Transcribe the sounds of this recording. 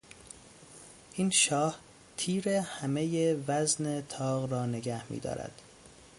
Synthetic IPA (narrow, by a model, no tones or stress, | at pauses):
ʔiːnʃɒːh | t̪ʰiːɾe̞hæme̞jevæzne̞t̪ʰɒːɣɾɒːne̞ɡæhmḭːd̪ɒ̰ːɾæ̰d̪̥